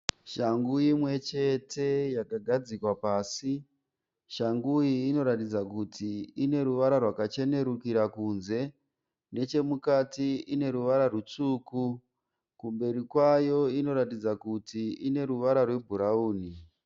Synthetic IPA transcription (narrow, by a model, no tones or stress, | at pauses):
ʃaŋɡujimwe̞t͡ʃe̞tʰe̞jakaɡʱad͡zikwapaːsi | ʃaŋɡujiːno̞ɾatid͡zakutʰiine̞ɾuʋaɾarwakat͡ʃe̞ne̞ɾukiɾakunze̞ | ne̞t͡ʃe̞mukatiine̞ɾuʋaɾarut͡suːku | kumbe̞ɾikwajo̞ino̞ɾatid͡zakutiine̞ɾuʋaɾarwe̞bʱuɾauːni